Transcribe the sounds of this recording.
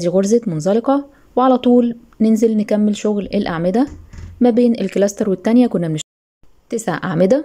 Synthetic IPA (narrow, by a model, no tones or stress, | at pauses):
d̪iːɣoɾzet̪monzɑleqɑ | weʕalæt̪ˤuːl | nenzelnekæmːelʃoɣlelʔaʕmed̪æmæbeːnelklæst̪eɾwet̪ːænjækonːæmeʃ | t̪esʕʔa̰ʕmed̪æ